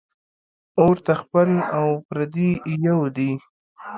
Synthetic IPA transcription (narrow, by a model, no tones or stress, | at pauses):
oɾt̪axpəlawpɾad̪ijawd̪i